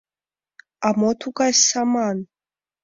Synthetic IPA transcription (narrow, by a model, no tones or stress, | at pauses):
amɔt̪ʰukasaman